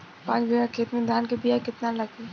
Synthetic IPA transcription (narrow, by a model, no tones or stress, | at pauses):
pãːt͡ʃbijakʰeːt̪mẽd̪ʱaːnkebijakɪt̪nalɐɡe